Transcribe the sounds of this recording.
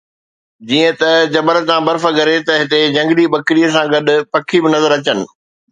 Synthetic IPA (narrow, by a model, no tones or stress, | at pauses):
d͡ʑiːə̃t̪ɐd͡ʑɐbəɾət̪ãbɐɾfəɡɐɾet̪ɐɦɪt̪ed͡ʑɐ̃ŋɡɪliɓɐkɪɾiəsãɡɐɗʊ̆pɐkʰibɪnɐzəɾɐt͡ɕənɪ̆